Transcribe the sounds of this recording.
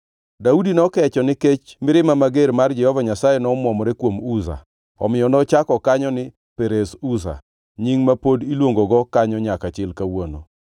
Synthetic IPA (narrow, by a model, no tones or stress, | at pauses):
daudinɔkɛt͡ʃɔnɪket͡ʃmɪɾɪmamaɡeɾmard͡ʒɛhɔvaɲasajɛnɔmwɔmɔɾɛkwomuza̰ | ɔ̰mɪjɔnɔt͡ʃakɔkaɲɔnɪ | peɾesusa̰ | ɲiŋmapodilwoŋɡoɡɔkaɲɔɲakat͡ʃɪlkawono̰